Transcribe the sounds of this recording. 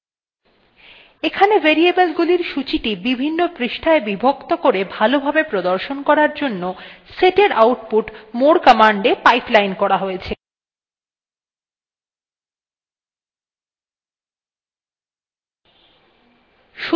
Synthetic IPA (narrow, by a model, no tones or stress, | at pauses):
ekʰaneveɾiebelɡuliɾʃut͡ɕiʈibibʱinːopɾiʃʈʰaebibʱokt̪okoɾebʱalobʱabepɾod̪oɾʃonkɔɾaɾd͡ʑonːoseʈeɾʔawʈpuʈmoɽkɔmaɳɖepajplajnkɔɾaɦojet͡ɕʰe | ʃu